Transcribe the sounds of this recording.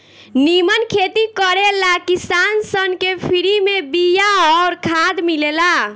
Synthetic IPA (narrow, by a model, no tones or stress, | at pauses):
nimənkʰet̪ikəɾelakisansənkepʰiɾimebijaɔːɾkʰad̪milela